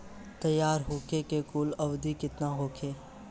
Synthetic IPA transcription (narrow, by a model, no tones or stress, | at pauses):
t̪ɐjːaːɾɦoːkʰekekʊːlɐʋd̪ikɪt̪naɦoːkʰeː